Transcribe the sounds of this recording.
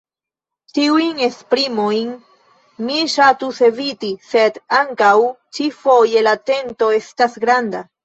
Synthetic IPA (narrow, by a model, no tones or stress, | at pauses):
tiujne̞spɾimojn | miʃat̪use̞vit̪ise̞d̪aŋkaw | t͡ʃifo̞je̞lat̪e̞nto̞e̞stasɡɾanda